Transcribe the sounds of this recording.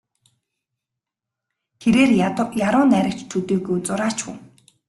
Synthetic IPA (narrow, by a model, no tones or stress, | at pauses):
t̪ʰeɾeːrjaɾʊːnæɾʲə̆kt͡ɕt̪ʰut̪eːɣujt͡sʊɾaːt͡ɕxṵŋ